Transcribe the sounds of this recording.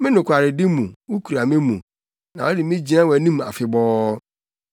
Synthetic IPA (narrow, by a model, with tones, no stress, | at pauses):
mɪ̃˦nʊ̃˨kʷʰa˨ɾɪ˨dɪ˦mũ˨wu˦kʰu˨ɾa˨mɪ̃˦mũ˨ | nã˨wɔ˦dɪ˨mɪ̃˦d͡ʑi˨nã˦wæ˨nĩ˦m˨a̰˨fɪ˨bɔː˦